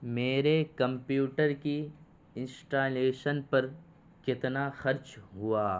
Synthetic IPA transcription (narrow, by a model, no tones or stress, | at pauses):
meːɾekɐ̃mpjuːʈəɾki | ɪ̃nsʈaːleːʃənpɐɾ | kɪt̪naxɐɾt͡ʃɦʊaː